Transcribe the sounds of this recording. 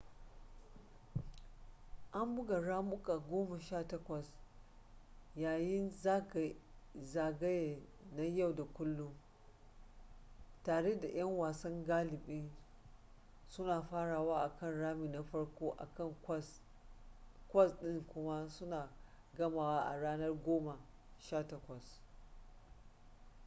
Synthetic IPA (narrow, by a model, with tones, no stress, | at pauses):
ʔa˦mbʊ˦ɡa˨ɽaː˦mʊ˦kʼa˨ɡʷoː˦ma˨ʃaː˦˨tɐ˦kʷɐ˨s | jaː˨jɪ˦na˦ɡzaː˨ɡɐ˦je˨na˦ja˦˨wda˨kʷʊ˦lːʊ˦m | taː˨ɽe˦da˨j̰ɐ˦ŋwaː˨sɐ˦ŋɡaː˦lɪ˨ɓɪ˦n | sʊ˦naː˨ɸaː˦ɽaː˨waː˦ʔa˨kɐ˦˨nɽaː˦miː˨na˦ɸɐ˦ɽkʷoː˦ʔa̰˨kɐ˦˨ŋ˦s | kʷɐ˦˨sɗɪ˦ŋkʷʊ˦ma˦sʊ˦naː˨ | ɡɐ˦maː˨waː˦ʔa˨ɽaː˦nɐ˦rɡʷoː˦ma˨ | ʃa˦tɐ˦kʷɐ˨s